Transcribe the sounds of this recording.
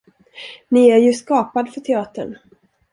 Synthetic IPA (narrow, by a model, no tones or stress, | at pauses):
nɪæɾjɵskɑːpad̪fœʈʰɛɑːt̪əɳ